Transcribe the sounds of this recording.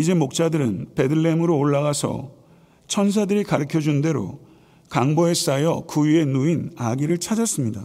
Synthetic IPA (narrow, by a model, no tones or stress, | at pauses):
id͡ʑe̞mok̚t͡ɕ͈adɯɾɯnpe̞dɯɭːe̞mɯɾoːɭːaɣasʰʌ̰ | t͡ɕʰʌns̬ʰadɯɾikaɾɯkʰjʌd͡ʑunde̞ɾo̰ | kaŋboe̞s͈ajʌkujue̞nuinaɡiɾɯɭt͡ɕʰad͡ʑas͈ɯmɲida